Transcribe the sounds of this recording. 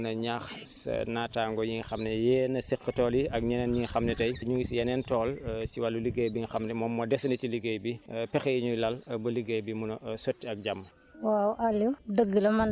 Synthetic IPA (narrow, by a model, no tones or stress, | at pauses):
nɐɲax | sɐ̰naːtaːŋɡɔjiŋxɐmnɛjɛːnɐsikːətɔːliɐk̚ɲɐnɛnjiŋxɐmnɛtɐjɲuɡisjɐnɛntɔːlsiwalːuliɡejbixɐmnɛmɔmːɔdɛsɐnitiliɡejbipɛxɐjiɲulɐlbɐliɡejbimunɐsotːiɐk̚ɟamː | wawʔalːudəɡilɐmɐn